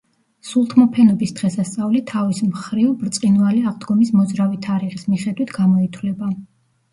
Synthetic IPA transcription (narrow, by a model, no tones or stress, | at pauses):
sulˠt̪ʰmɔpʰɛnɔbisd̪̥ʁɛsast̪sʼavlit̪ʰavismχɾivbɾt̪sʼqʼinvaliaʁd̪ɡɔmismɔzɾavit̪ʰaɾiʁismiχɛd̪wit̪ʰɡamɔit̪ʰwlɛba